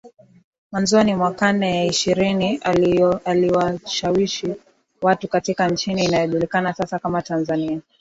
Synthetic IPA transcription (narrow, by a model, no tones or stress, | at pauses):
manzɔanimwakanɛjaiʃiɾiniaaliwaʃawiʃi | watukatikant͡ʃiniːnajɔʄulikanasasakamatanzania